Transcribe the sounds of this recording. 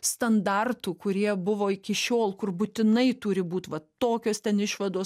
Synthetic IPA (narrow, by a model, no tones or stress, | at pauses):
st̪ɐnd̪ɐrt̪uːkʊɾʲiɛbʊʋoːɪkʲɪʃʲoːlˠkʊrbuːt̪ʲɪnɐɪt̪ʊɾʲɪbuːt̪ʋɐt̪oːkʲoːst̪ʲɛnɪʃʋɐd̪oːs